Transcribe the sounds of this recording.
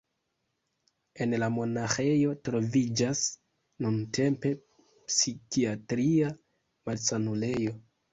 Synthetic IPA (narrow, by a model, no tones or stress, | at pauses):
e̞nlamo̞naxe̞jo̞tɾo̞vid͡ʒas | nunte̞mpe̞ | psikiatɾia | malsanule̞jo̞